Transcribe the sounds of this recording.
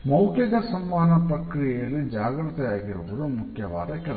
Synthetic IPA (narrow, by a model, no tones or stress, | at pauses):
mɐwkjɐɡ̪ɐsɐmːaːnɐpɾɐkɾijɛjɐlːid͡ʒaːɡɾɐt̪ɛjaːɡiɾuʋɐd̪umukʰjɐʋa̰ːd̪ɐkɛl